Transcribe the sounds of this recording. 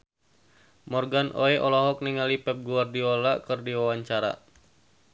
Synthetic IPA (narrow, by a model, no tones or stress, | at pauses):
mɔrɡanʔoɛʔɔlɔɦɔk̚niŋalipɛp̚ɡuardiɔlakɨrdiwawaɲt͡ʃaɾa̰